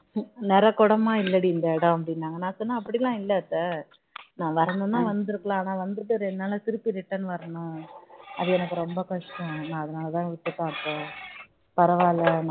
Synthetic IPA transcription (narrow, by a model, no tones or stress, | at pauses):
nɛɾɐkɔɽɐmaːɪlːɐɽiːnd̪ɐɛɽɐ̃ɐp̬ːɐɽɪnːaːŋɡɐnãːsɔnːaːɐpːɐɽilːãːɪlːɐːt̪ːɐ | nãːʋɐɾɐnd̪ɐnːãːʋɐnd̪ɯɾɯkːɐɭãːaːnaːʋɐnd̪ɯʈːɯɾɛnːaːlɐsɪɾɯpːiɾɪʈːɐnɯʋɐɾɐnʊ̃ɐðɯɛnɐkːɯɾɔmbɐkɐʂʈːɐ̃nãːɐðɐnaːlɐt̪ãːʋɪʈːɯpːãːɐt̪ːɐ | pɐɾɐʋaːlɐn